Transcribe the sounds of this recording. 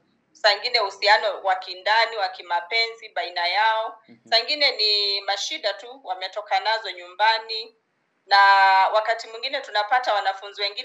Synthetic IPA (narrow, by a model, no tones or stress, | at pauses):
saiŋɡinɛhusianɔwakindaniwakimapɛnziɓainajaɔsaiŋɡinɛnimaʃiɗatuwamɛtɔkanazɔɲumbani | nawakatimwiŋɡinɛtunapatawanafunziwɛŋɡi